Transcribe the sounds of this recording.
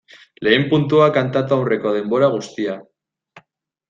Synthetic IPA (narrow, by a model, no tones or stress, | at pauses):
le̞ːmpunt̪uakant̪at̪uawre̞ko̞ð̞e̞mbo̞ɾaɣ̞ust̪ia